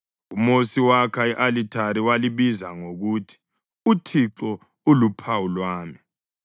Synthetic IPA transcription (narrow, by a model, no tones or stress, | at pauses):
umosiwakʰaiʔalitʰaɾiwaliβizaŋoɣutʰi̥ | utʰiǁɔ | ulupʰawulwaːmi